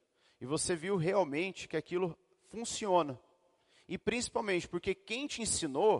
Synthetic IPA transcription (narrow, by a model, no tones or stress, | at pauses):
ɪvoseviwɦeawmẽnt͡ʃɪ̥kɪakilʊ | fũsiõnɐ | ɪpɾĩsi̥pawmẽnt͡ʃɪ̥poɾkekẽj̃t͡ʃɪĩsĩno